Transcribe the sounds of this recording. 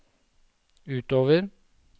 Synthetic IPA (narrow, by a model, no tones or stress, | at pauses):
ʉːt̪oːʋəɾ